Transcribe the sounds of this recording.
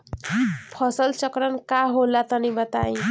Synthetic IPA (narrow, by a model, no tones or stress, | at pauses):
pʰʌsʌlt͡ʃʌkɾʌnkaɦolːat̪ʌnibʌt̪aĩ